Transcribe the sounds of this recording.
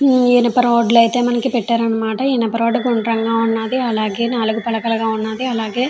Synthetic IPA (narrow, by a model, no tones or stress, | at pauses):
eːnɐpːɐɾoːɖlɐjt̪e̞ːmɐnɐkipɛʈːaːɾɐnːɐmaːʈɐeːnɐpːɐɾoːɖɐɡuɳɖɾɐŋɡaːunːaːd̪iɐlaːɡe̞ːnaːluɡupɐlɐkɐlɐɡaːunːaːd̪iɐlaːɡe̞ː